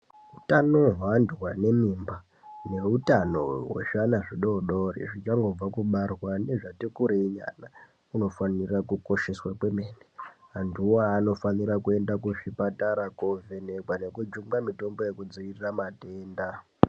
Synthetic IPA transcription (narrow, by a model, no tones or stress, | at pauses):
utano̞ɦwandwane̞mimba | ne̞utano̞̰wḛʃanaʐiɗo̞ɗo̞rḭʐit͡ʃaŋɡo̞b͡vakuɓarwane̞ʐatikuɾeiɲa̰na | uno̞fanirakuko̞ʃe̞swakwe̞meːneɦantʰuwaːno̞faniɾakue̞ndakuʐipataɾakove̞nekwane̞kud͡ʒuŋɡamito̞mbo̞je̞kud͡ziʋiriramateːnda